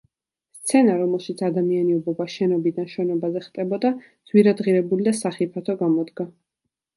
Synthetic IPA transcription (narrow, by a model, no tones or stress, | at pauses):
st̪sʰɛnaɾɔmɛlˠʃit̪sʰad̪amianiɔbɔbaʃɛnɔbid̪anʃɛnɔbazɛχt̪ʼɛbɔd̪a | d̪z̥wiɾad̪ʁiɾɛbulid̪asaχipʰat̪ʰɔɡamɔd̪ɡa